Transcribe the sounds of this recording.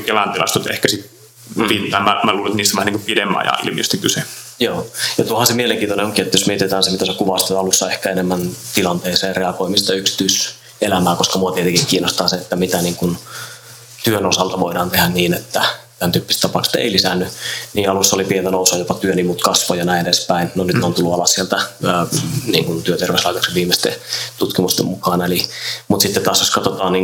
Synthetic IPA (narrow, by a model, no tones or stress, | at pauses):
kelænt̪ilɑ̰st̪ut̪ḛhkæsit̪ | pint̪ɑˑemæmæluːlenet̪niːst̪ːæʋæhæniŋkupidemːɑ̰jɑ̰ḭlmḭost̪ikyse | joːjɑt̪uohɑnsemieleŋkiːnt̪oneoŋkiet̪ːæjosmiet̪et̪æːnsemit̪æsekuʋɑst̪et̪ɑlusːɑehkæenemːænt̪ilɑnt̪eːseːreɑkoimist̪ɑyksi̥t̪yis | elæmæːkoskɑmuɑt̪iet̪eŋkikkiːnost̪ɑːseet̪ːæmit̪æniːŋkun | t̪yønosɑlt̪ɑʋoidɑːnt̪ehænniːnet̪ːæt̪ænt̪yːpːist̪ɑpɑˑkse̥t̪ḛilisænːyniːɑlusːɑolipient̪ænousɑjopɑt̪yønimuːt̪kɑsʋojɑnæieespæinnonyt̪neont̪ulːuɑlɑssielt̪æː | nḭːŋkunt̪yøt̪erʋeslɑit̪ɑkseʋiːmest̪ḛt̪ut̪kimust̪emmukɑːnelimut̪sit̪ːet̪t̪ɑːsjoskɑt̪ot̪ɑːnniːŋ